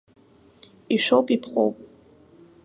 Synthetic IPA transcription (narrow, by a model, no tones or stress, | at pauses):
iʃʷowpʼipʰqʼo̰wpʼ